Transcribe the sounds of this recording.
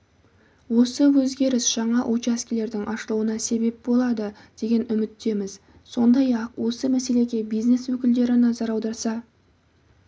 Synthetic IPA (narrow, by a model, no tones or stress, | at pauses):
wo̞səwɵzɡʲe̞ɾɪsʒ̥ɑɴɑʔot͡ʃaskʲile̞ɾd̪ɪŋʔɑʃəlˠuwənɑse̞be̞p̚bo̞lˠɑd̪əd̪̥e̞ɡʲe̞nʏmɪt̪ːe̞mɪz | so̞nd̪ɑjɑqwo̞səmæse̞le̞ɡʲe̞bijzne̞swɵkʲɪld̪e̞ɾɪnɑzɑɾɑwd̪ɑɾsɑ